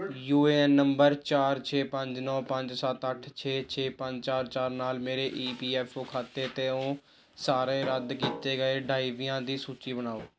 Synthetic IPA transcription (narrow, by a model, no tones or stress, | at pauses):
juːeːɛnːəmbəɾt͡ʃaːɾt͡ʃʰeːpəɲd͡ʒnɔːpəɲd͡ʒsət̪əʈʰt͡ʃʰeːt͡ʃʰeːpəɲd͡ʒt͡ʃaːɾt͡ʃaːɾnaːlmeːɾeːʔiːpiːɛːpʰoːkʰaːt̪eːt̪eːõː | saːɾẽːɾəd̪kiːt̪eːɡəeːɖaːiʋiːãːd̪iːsuːt͡ʃiːbənaːoː